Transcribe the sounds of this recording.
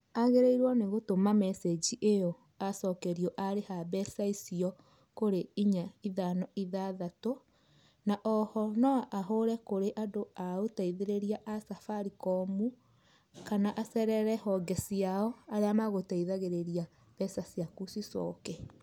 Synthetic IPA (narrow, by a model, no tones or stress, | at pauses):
aɣeɾeiɾwɔneɣotomamɛsed͡ʒiʔeɔ | asɔkɛɾiɔʔaɾehaβɛsaisiɔ | koɾeiɲaiðanɔiðaðato | naʔɔhɔnɔʔaɦoɾɛkoɾeʔadoaotaiðeɾeɾiaʔasafaɾikɔmu | kanaʔasɛɾɛɾɛhɔɡɛsiaɔaɾeamaɣotaiðaɣeɾeɾija | β̥ɛsasjakusisɔ̰kɛ